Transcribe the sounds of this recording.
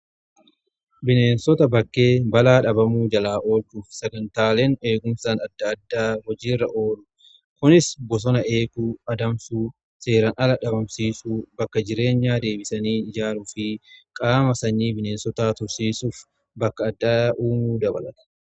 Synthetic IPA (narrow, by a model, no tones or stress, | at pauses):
bɪne̞ːnsɔt̪ɐbɐkːe̞ːbɐlaːᶑɐbɐmuːd͡ʒɐlaːʔo̞ːltuːfsɐɡɐnt̪aːle̞ːne̞ːɡʊmsaːnɐd̪ːɐd̪ːaːhɔd͡ʒiːrːɐʔoːlʊ | kʊnɪsbɔs̬ɔnɐʔe̞ːkuːɐd̪ɐmsuː | se̞ːɾɐnʔɐlɐᶑɐbɐmsiːsuːbɐkːɐd͡ʒɪɾe̞ːɲːaːd̪e̞ːbɪsɐniːɪd͡ʒaːluːfɪkʼaːmɐsɐɲːiːbɪne̞ːnsɔt̪aːt̪ʊɾsiːsuːf | bɐkːɐːd̪ːaːʔuːmuːd̪ɐbɐlɐt̪ɐ̥